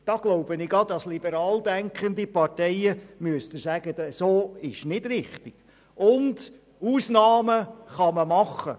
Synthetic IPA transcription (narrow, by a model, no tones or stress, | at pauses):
d̥ɑɡ̥loʊbənɪɡɑdɑslibəɾɑːld̪æŋkʰχənd̪ipɑɾtɛɪəmyəst̪əsæɡ̥ədsoːɪʃnɪdɾɪχtɪɡ̥ | ʊnd | uːsnɑːməχɑməmɑχːə̰